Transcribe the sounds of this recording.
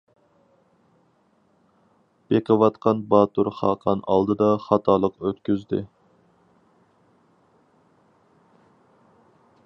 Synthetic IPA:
b̥eqəwɑt̪qʰɑnbɑt̪uɾχɑːqʰɑnɑ̰lˠd̪ɨd̪ɑχɑt̪ʰɑːlˠəqøt̪kʲyzd̪ɪ̰

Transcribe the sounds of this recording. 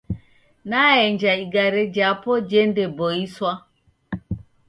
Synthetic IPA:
naɛɲd͡ʒaiɡaɾɛd͡ʒapɔd͡ʒɛndɛbɔiswa

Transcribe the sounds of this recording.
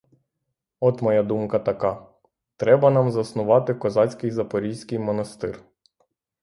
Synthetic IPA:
ɔt̪mɔjad̪umkɐt̪ɐkɑ | t̪ɾɛbɐnɑmzɐsnʊʋɑt̪ɪkɔzɑt͡sʲkɪjzɐpɔɾʲijsʲkɪjmɔnɐst̪ɪr

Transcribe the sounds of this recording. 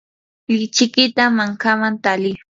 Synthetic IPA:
ʎɪt͡ʃɪkɪt̪amaŋkamant̪alɪ

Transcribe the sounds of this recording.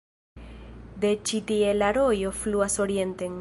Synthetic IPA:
d̪e̞t͡ʃit̪ie̞laɾo̞jo̞fluaso̞ɾie̞nteŋ

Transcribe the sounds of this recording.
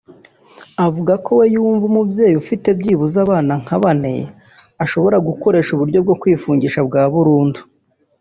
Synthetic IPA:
avuɡako̞wejuːɱvumubje̞ːjufite̞bɟiːβuzaβaːnaŋ̥haβanḛ | aʃo̞βo̞ɾaɡuko̞ɾe̞ːʃuβuɾɟo̞b̚ɡo̞kwiːfuːɲɟiʃabɡaːβuɾuːndu̥

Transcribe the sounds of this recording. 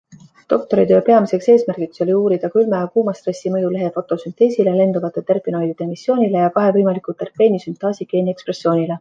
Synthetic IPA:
t̪o̞k̚t̪o̞ɾit̪ø̞ːpe̞ɑmise̞kse̞ːsmærɡ̥ikso̞lʲiuːɾid̪̥ɑkylmɑɑkuːmɑst̪re̞sːimɤjule̞ɦe̞fo̞t̪ːˑo̞synt̪e̞ːsile̞le̞nd̪̥uvɑt̪ːˑet̪erpˑino̞jd̪id̪emisːjo̞ːnʲile̞jɑkɑɦe̞vɤjmɑlikult̪ːerpe̞ːnisynt̪ˑɑːsike̞ːnʲiekspre̞sːjo̞ːnʲile̞

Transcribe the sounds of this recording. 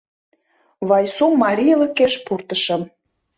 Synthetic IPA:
βɑjsumːɑɾʲijlə̆keʃpurt̪əʃə̆m

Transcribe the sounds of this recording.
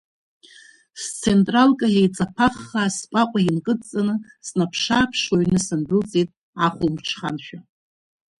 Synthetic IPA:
st͡sʰentʼralkʼajejt͡sʼapʰaχːaspʼakʷʼainkʼɨt͡sʼanɨ | snapʰʂaːpʰʂaɥnɨsɨnbɨlt͡sʼitʼ | aχʷʊlmʈ͡ʂʰχa̰nʃᶣa

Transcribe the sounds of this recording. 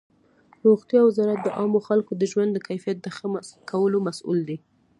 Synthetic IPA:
ɾoxt̪jɑwɪzɑɾat̪̚d̪əʔɑmoxalkod̪əʒwand̪ːəkajfijat̪̚d̪əxəkʰawəlomasʔṵld̪e

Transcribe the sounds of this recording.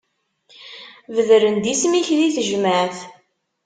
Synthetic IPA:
vəðɾənd̪ismiçðiθəʒməʕθ

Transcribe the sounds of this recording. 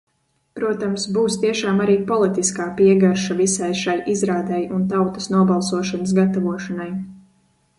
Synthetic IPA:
pɾuɔt̪amsbuːst̪iɛʃaːmaɾiːpɔlˠit̪iskaːpiɛɡaɾʃavisajʃajʔizɾaːd̪ɛjunt̪awt̪ɐ̥snuɔbɑlˠsuɔʃanəs̬ɡat̪avuɔʃanaj

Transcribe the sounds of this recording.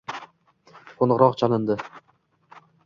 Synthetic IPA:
qʰonʁɾɒqt͡ʃʰanɪnd̪ɪ

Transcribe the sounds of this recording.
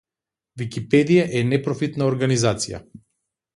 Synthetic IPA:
vikipɛd̪ijaʔɛnɛpɾɔfit̪naɔɾɡanizat̪sija̰

